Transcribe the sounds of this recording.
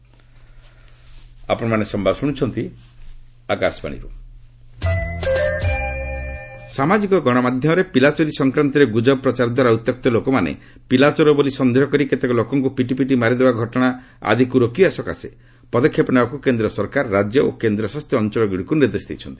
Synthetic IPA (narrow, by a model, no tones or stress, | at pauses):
a̰pɔɽ̃ɔmanesɔmbʱabsuɽ̃ut͡ʃʰɔnt̪i | akasba̰ɽ̃ḭɾṵ | samad͡ʒikɔɡɔɽ̃ɔmad̪ʱjɔmɔɾepilat͡ʃɔɾisɔŋkɾant̪ɔɾeɡud͡ʒɔbpɾɔt͡ʃaɾd̪ʱwaɾaut̪jɔk̚t̪ɔlokɔmanḛ | pilat͡ʃɔɾɔbolisɔnd̪eɦɔkɔɾiket̪ekɔlokɔŋkupiʈ̬ipiʈimaɾid̪ebaɡʱɔʈɔɽ̃a | a̰d̪ʱikuɾokiesɔka̰se | pɔd̪ɔkʰːjepɔnabakukend̪ɾɔsɔɾkaɾːad͡ʒjɔʔo̰kend̪ɾɔsast̪ʰjɔɔnt͡ʃɔlɔɡiɽikuniɾd̪esd̪ḭt͡ʃʰɔnt̪i̥